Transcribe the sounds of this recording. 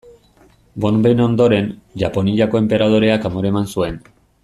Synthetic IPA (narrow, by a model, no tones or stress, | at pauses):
bo̞nbeno̞nd̪oɾe̞nʝapo̞niʎako̞e̞mpe̞ɾað̞o̞ɾe̞akamoɾe̞mansue̞n